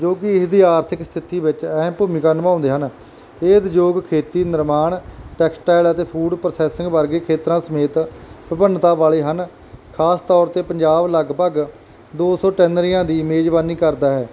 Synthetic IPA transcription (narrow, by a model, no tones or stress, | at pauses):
d͡ʒoːkɪɪsd̪iːaːɾt̪ʰɪkst̪ʰɪt̪iːbɪt͡ʃɛːmpuːmɪkaːnəmãːʊ̃nd̪eːɦən | eːd̪d͡ʒoːɡkʰeːt̪iːnɪɾmaːɳʈɛːksʈaːɪlət̪eːpʰuːɖpəɾəsɛːsɪŋɡbəɾɡeːkʰeːt̪ɾãːsəmeːt̪pɪpənt̪aːbaːleːɦən | kʰaːst̪ɔːɾt̪eːpəɲd͡ʒaːbləɡpəɡ | d̪oːsɔːʈɛːnɾijãːd̪iːmeːd͡ʒbaːniːkəɾd̪aːɦɛː